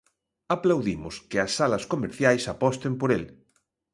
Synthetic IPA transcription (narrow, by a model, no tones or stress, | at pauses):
aplawðimʊskɪɐsːalɐskomeɾθjajsapɔst̪empoɾel